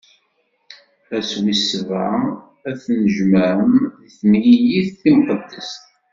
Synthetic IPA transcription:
æswisəvʕə | æθnəʒməʕəmm | θmjijiθːimqəd̪ːəst̪

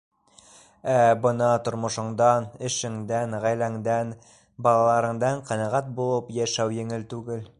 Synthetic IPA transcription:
æbɤnɑt̪ŏɾmŏʃŏɴd̪ɑnɘ̆ʃɘ̆ŋd̪ænʁæjlæŋd̪æn | bɑlˠɑlˠɑɾɤ̆ɴd̪ɑɴqɑ̆nɑʁæt̪̚bulˠɤpjæʃæwjɘ̆ŋɘlt̪ʉɡɘl

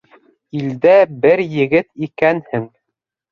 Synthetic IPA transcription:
ild̪æbɘɾjɘ̆ɡɘt̪ikænhɘŋ

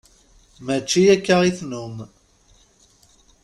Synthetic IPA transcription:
mæt͡ʃːijækːaʁiθnum

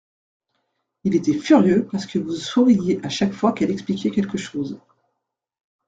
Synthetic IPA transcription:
ilet̪ɛfyʁjøpaʁsə̥kəvusuʁijeʔaʃakfwakɛlɛksplikʲɛkʲɛlkəʃoːz

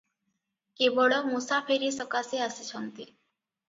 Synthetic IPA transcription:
kebɔɭɔmusapʰeɾisɔkaseasit͡ʃʰɔnt̪i

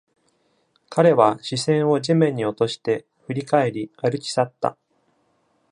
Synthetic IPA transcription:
kʰaɾe̞βaɕisẽ̞ɰ̃o̞ʑimẽ̞ɲ̟ːio̞t̪o̞ɕi̥t̪e̞ | ɸɯ̟ɾʲikae̞ɾʲiaɾɯ̟kʲi̥sat̪ːa̰

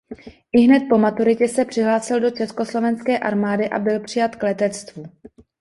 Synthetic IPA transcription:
ʔɪɦnɛt̪̚po̞mat̪uɾɪcɛsɛpr̝̥ɪɦlaːsɪldo̞t͡ʃɛsko̞slo̞vɛnskɛːʔaɾmaːdɪʔa̰bɪlpr̝̥ɪjat̪klɛt̪ɛt͡st̪vu

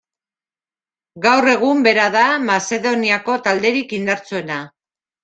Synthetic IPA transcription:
ɡawre̞ɣ̞umbe̞ɾaðamase̞ðoniako̞t̪ald̪e̞ɾikind̪aɾt͡sue̞na

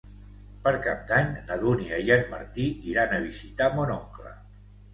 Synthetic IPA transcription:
pəɾkap̚d̪aɲnəðuniəjənmə̰ɾt̪iiɾanəβ̞izit̪amonɔŋklə̰

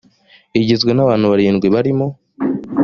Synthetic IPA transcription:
iɟezɡwenaβaːn̥huβaɾiːnɡwiβaɾimo̞

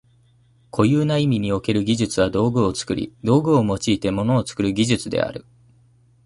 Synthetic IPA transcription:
kʰo̞jɯːnaimʲiɲ̟io̞ke̞ɾɯ̟ɡʲiʑɨt͡sɨβad̪o̞ːɡɯ̟o̞t͡sɨ̥kɯ̟ɾʲḭd̪o̞ːɡɯ̟o̞mo̞t͡ɕiːt̪e̞mo̞no̞ːt͡sɨ̥kɯ̟ɾɯ̟ɡʲiʑɨt͡sɨd̪e̞̰a̰ɾɯ̟

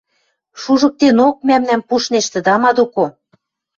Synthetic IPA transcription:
ʃuʒɤ̆k̚t̪enok̚mæmnæmpuʃneʃt̪ə̆d̪ɑmɑd̪oko

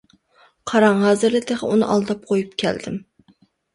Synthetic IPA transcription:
qʰɑɾɑŋɦɑːzɨɾlɨt̪ʰeʁɛunɨ̰ʔɑ̰lˠd̪ɑp̚qʰojupkʲʰɛ̰ld̪ɪm

